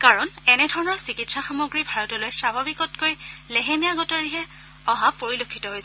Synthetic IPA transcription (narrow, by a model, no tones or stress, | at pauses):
kaɹɔnɛnɛdʱɔɹɔnɔɹsikitsaxamoɡɹibʱaɹɔtɔlojsabʱabikɔtkojleɦemijaɡɔtɔɹiɦɛ | ɔɦapoɹilokʰːitɔɦojs